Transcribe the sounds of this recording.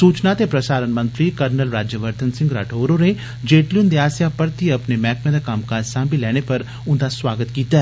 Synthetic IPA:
suːt͡ʃnat̪epɾɐsaːɾənmɐ̃nt̪ɾikɐɾnəlɾaːd͡ʒjəʋɐɾt̪ənsɪ̃ŋɡɾa̰ːʈʰoːɾone | d͡ʒeːʈljund̪iaːsjapɐɾt̪iɐpnemɛːkmẽd̪akaːmkasãːmbilɛːɽ̃epɐɾ | ʊ̃nd̪aswaːɡət̪kiːt̪a

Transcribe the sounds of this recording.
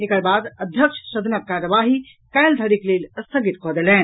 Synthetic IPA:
ekɐɾbaːd̪ɐd̪ʱjəkʃʃɐd̪nɐk̚kaːɾəʋaːɦi | kɐjld̪ʱɐɾikleːlʲɐst̪ʰəɡit̪kɔːd̪elɛ̃ːn

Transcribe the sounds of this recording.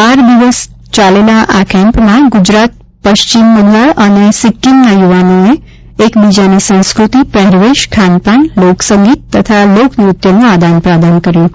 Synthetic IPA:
paɾd̪iʋəs | t͡ʃalelaʔakʰɛ̃mpmãɡʊd͡ʒɾat̪̚ | pəʃt͡ʃimːəd̪ʱəɭənesɪkːimnajuʋanoe | ekbid͡ʒanisə̃w̃skɾut̪ipɛɦɾʋeʃkʰanpaɳloksəŋɡit̪ːət̪ʰaloknuut̪jənũad̪anpɾad̪ankəɾjũ

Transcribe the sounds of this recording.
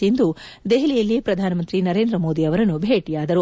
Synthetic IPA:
ind̪ud̪eɦilijɐlːipɾɐd̪ʱaːnɐmɐnt̪ɾinɐɾe̞ːnd̪ɾɐmo̞ːd̪iɐʋɐɾɐnːubʱeːʈijaːd̪ɐɾu

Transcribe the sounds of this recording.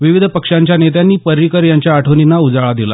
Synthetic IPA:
ʋiʋid̪ʱəpəkʂaɲt͡ɕjanet̪̬janːiːpəɾːikəɾjaɲt͡ɕjaːʈʰəʋninaud͡zaɭad̪ila̰

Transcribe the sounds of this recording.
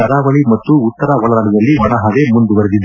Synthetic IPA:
ɐɾaːʋɐɭimɐt̪ːuːt̪ːɐɾaʋɔɭɐɾɐɳid̪ɐlːiʋɐnɐɦɐd̪emund̪uʋɐɾed̪id̪u

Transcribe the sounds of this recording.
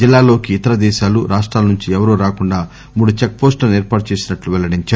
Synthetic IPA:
d͡ʒilːaːlo̞ːkiːt̪ɐɾɐd̪ɛːʃaːluɾaːʂʈɾaːlɐnuɲt͡ʃiɛʋɐɾoːɾaːkuɳɖaː | muːɽut͡ʃek̚poːsʈlɐnɛːɾpaːʈut͡ʃe̞ːsinɐʈluʋɛlɐɽiɲt͡ʃaː

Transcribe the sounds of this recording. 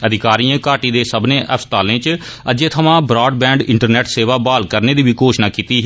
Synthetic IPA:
əd̪ɪkaːɾiːẽːkaːʈiːd̪eːsəbnẽːʔəpst̪aːlẽːt͡ʃ | əd͡ʒẽːt̪ʰəmãːbɾɔːɖbɛ̃ːɳɖɪ̃ɳʈəɾnɛːʈseːʋaːbaːlkəɾneːd̪iːbiːkoːʃnaːkiːt̪iː

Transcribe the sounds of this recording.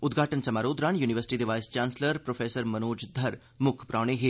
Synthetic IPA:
ʊd̪ɡʱaːʈənsɐmaːɾoːd̪ɾaɳjuːniʋəɾsɪ̥ʈid̪eʋaːjst͡ʃaːnsləɾpɾoːfʰeːsəɾmɐnoːd͡ʒd̪ʱɐɾ | mʊkʰpɾaːɽ̃eɦeː

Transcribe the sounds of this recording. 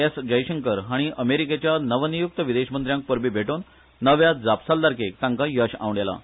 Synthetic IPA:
esd͡ʑəjɕəŋkəɾɦaɽ̃iʔəmeɾiket͡ɕjanəʋənijuk̚t̪əʋid̪eɕmənt̪ɾjãŋk̚pəɾbiːbʱeʈonː | əʋjad͡zapsald̪aɾkekt̪ãŋkajəɕa̰ʋɽela̰

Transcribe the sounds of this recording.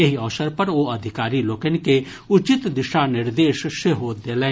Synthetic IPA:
eɦiɔʋsəɾpɐɾʋoːɐd̪ʱɪkaːɾiloːkənke | ʊt͡ʃɪt̪d̪ɪʃanɪɾd̪eːʃseɦoːt̪̚d̪eːlẽː

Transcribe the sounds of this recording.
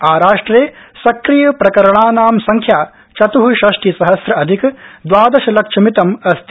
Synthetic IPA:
aːɾaːʂʈɾeːsɐkɾijɐpɾɐkɐɾɐɳaːnaːmsɐŋkʰjaː | t͡ʃɐt̪uɦuʃɐʂʈʰisɐɦɐsɾɐʔɐd̪ʱikd̪ʋaːd̪ɐʃɐlɐkʂʰɐmit̪ɐmɐst̪i

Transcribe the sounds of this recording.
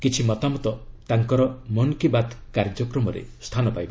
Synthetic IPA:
kit͡ʃʰimɔt̪amɔt̪ɔt̪aŋkɔɾɔmɔnkibad̪kaɾd͡ʒɔkɾɔmɔɾḛst̪ʰanɔpajbɔ

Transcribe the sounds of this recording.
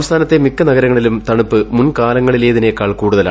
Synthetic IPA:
ʋɐst̪ʰaːnɐt̪ːe̞mikːɐnɐɣɐɾɐŋːɐɭilumt̪ɐɳupːɨmunkaːlɐŋːɐɭile̞ːðine̞ːkːaːɭkuːɽuðɐla

